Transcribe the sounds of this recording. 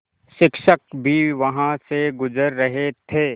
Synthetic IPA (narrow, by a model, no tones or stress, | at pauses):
ʃɪkʃək̚bʱiʋɐɦãseɡʊzəɾːɐɦet̪ʰeː